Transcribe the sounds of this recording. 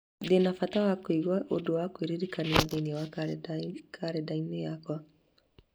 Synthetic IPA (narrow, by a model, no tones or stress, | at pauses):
denafat̪awakoiɣwaʔodowakwiɾiɾikaneaðeiniawa | kʰaɾedainejakwa